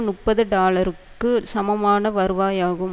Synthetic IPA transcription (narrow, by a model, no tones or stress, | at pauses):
nʊʈpːɐðɯɖaːlɐɾɯkːɯsɐmɐmaːnɐʋɐɾɯʋaːjaːɣɯm